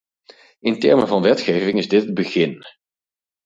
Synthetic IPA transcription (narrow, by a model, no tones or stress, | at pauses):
ɪntɛ̰ɹmənvɑnʋɛtχejvɪŋɪzdɪtəd̚bəχɪn